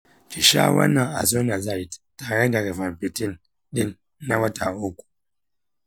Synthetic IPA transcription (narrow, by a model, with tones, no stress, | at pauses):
t͡ʃi˨ʃa̰˦wɐ̰˦nːa˨a̰˨zo˦na˨za˦˨i˨tta˨ɽe˦da˨ɡa˨va˨mpɪ˨tɪ˦n | ɗɪ˦nː | a˦wɐ˦ta˨ʔʊ˦kʷu̥˨